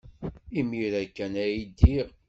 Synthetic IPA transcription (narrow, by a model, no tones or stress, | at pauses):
imiɾækːænæjid̪ːiʁ